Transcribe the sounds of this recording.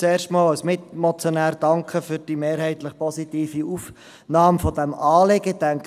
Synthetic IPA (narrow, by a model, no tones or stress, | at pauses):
t͡seːrʃtmɑːlɔsmɪt̪mɔt͡sjɔnæːɾd̥ɑŋkχəfyɾd̥imeːɾhɛɪt̪ləχpɔsit̪iːfiuːf | nɑːmfɔd̥ɛmɑːlɪɡətæŋk